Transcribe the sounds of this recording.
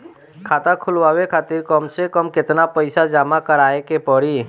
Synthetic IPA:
kʰaːt̪akʰʊlʋaːwekʰaːt̪iɾkɔmsekəmkɪt̪napəɪsad͡ʒaːmakəɾaːekepɔɾiː

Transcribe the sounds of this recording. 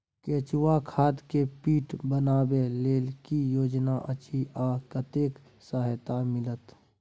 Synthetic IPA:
keːt͡ʃuwakʰaːd̪kepiːʈbənaːbeleːlkijoːd͡ʒnaʔət͡ʃʰiʔaːkət̪eːk | səɦt̪amɪlət̪

